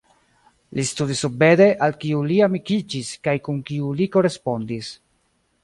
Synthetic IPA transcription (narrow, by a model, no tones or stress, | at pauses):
listudisube̞de̞ʔalkiuliamikid͡ʒiskajkunkiuliko̞ɾe̞spo̞ndis